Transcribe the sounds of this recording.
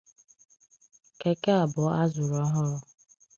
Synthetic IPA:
ke˨ke˦a˨bʊ˨˦a˦zʊ˨ɾɔ˦ɦɔ˦

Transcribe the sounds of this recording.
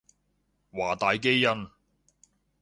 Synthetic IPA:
waː˨˩t̪aː˨jke˥jːɐ˧n

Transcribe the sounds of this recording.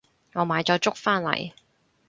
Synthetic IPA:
ŋɔː˨˧maː˨jt͡sɔː˨˧jt͡sʊ˥k̚faː˥nlɐ̰˨˩j

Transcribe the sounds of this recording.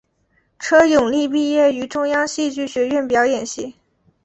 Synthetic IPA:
ʈ͡ʂʰɤ˥jʊ˨˩ŋli˥˧p̬i˥˧jɛ˥˩y˧˥ʈ͡ʂʊ˥ŋjɑ˥ŋɕi˥˧t͡ɕy˥˩ɕɥɛ˧˥ɥɛ˥˩npjɑ˧˥ʊjɛ˨˩nɕi˥˩

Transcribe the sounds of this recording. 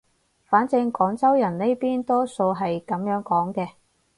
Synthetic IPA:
faː˨˥nt͡sɪ˧ŋkɔː˨˥ŋt͡sɐ˥wjɐ˨˩nne˥jpiː˥nt̪ɔː˥so˧wɦɐ˨jkɐ˨˥mjœː˨˥ŋkɔː˨˥ŋkɛː˧

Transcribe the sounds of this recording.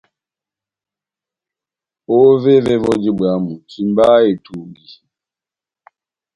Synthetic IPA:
ɔ˦vɛ˦vɛ˦vɔ˦d͡ʒi˦ɓwa˨˦mu˨t͡ʃi˨mba˦e˨tʰu˨mɡi˨

